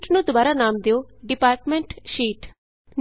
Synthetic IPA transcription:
ʈnũːd̪ʊbaːɾaːnaːmd̪eoːɖɪpaːɾʈmɛ̃ɳʈʃiːʈ | n

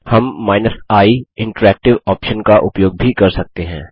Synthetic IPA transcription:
hɐmːaːɪnəsaːiɪ̃ɳʈəɾɛːk̚ʈɪʋɔːpʃənkaʔʊpjoːɡ̚bʱikɐɾsɐk̚t̪eɦɛ̃ː

